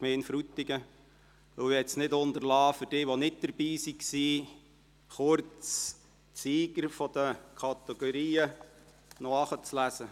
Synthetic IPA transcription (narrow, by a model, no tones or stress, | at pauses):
kmeːnfɾut̪ːɪɡə | ʋɵwɛtsnɪtʊnd̪əɾlɑːfʏɾd̥ɪːʋonɪt̚d̥əɾb̥iːsiksiː | χʊɾt͡s | siːɡəɾfɔd̥̪əkʰɑt̪ɛɡ̥ɔɾiːə | nɔɑχət͡slæsə